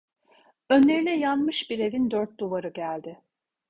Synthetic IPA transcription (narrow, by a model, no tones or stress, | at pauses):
ønlʲe̞ɾinʲɛjanmɯʃbiɾe̞vind̪øɾt̪̚d̪uvaɾɯɟælʲd̪ɪ